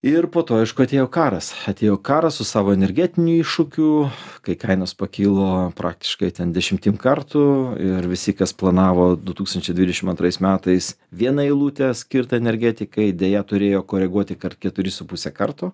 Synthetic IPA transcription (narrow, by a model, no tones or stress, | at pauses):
ɪrpoːt̪oːɐɪʃkʊɐt̪ʲeːjoːkɑːɾɐsɐt̪ʲeːjoːkɑːɾɐsʊsɑːʋoːɛnʲɛɾʲɡʲæːt̪ʲɪnʲuiːʃʊkʲʊkɐɪkɐɪnospɐkʲiːlˠoːpɾʔɑ̰ːk̚t̪ʲɪ̥ʃkɐɪt̪ʲɛnd̪ʲɛʃʲɪmʲt̪ʲimkɐrt̪ʊɪɾʋʲɪsʲɪkɐsplˠɐnɑːʋoːd̪ʊt̪uːkst̪ɐnʲt͡ʃʲɛɪdʲʋʲid̪ʲɛʃʲɪmɐ̃nt̪ɾɐɪsmʲæːt̪ɐɪs | ʋʲiɛnɐɪlˠuːt̪ʲɛsʲkʲɪɾt̪ɐɛnʲɛɾʲɡʲæːt̪ʲɪkɐɪd̪ʲeːjɛt̪ʊɾʲeːjoːkoːɾʲɛɡuɔt̪ʲɪkɐrt̪kʲɛt̪ʊɾʲɪsʊpusʲɛːkɐrt̪ʊ